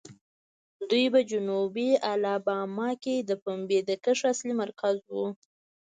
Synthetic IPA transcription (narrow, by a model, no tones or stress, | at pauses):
d̪ujbad͡ʒʊnubialɑbɑmɑked̪əpambed̪əkəʂaslimaɾkazwu